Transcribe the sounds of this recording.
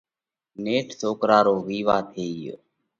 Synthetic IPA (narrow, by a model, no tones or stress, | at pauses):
neːʈʰsoːkɾaːɾoːʋiːʋaːt̪ʰeːijo̰